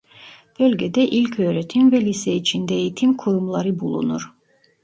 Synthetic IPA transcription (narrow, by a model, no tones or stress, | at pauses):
b̥ølʲɟɛd̪ɛʔilʲcʰøːɾet̪ʰimvɛlʲisɛit͡ʃʰind̪ɛejit̪ʰimkʰuɾumlˠaɾɯbulˠṵnuɾ̥